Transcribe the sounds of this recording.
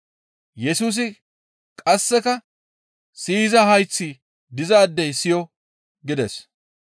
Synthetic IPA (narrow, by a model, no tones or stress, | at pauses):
jɛsuːs̬ɪ | kʼɐsːɛkɐ | siːzɐhɐjt͡sːiː | d̪ɪzaːd̪ːɛjsɪjɔ | ɡɪd̪ɛs